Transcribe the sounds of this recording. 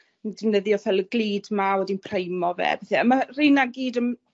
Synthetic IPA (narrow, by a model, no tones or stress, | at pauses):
ndɪmnəðjɔfɛlˠəɡlˠiːdmawɛdinpʰrejmɔvɛ̰ːbeθɛəmarinaɡiːdəm